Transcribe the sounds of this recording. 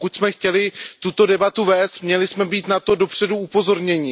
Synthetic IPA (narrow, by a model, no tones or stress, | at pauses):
kuc̪smɛxcɛlɪt̪ut̪o̞dɛbat̪uvɛːst̪mɲɛlɪsmɛbiːt̪nat̪o̞do̞pr̝̥ɛduupo̞zo̞ɾɲɛɲɪ